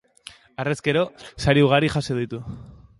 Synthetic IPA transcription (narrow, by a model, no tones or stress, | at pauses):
areske̞ɾo̞saɾiuɣ̞aɾiʝaseð̞it̪u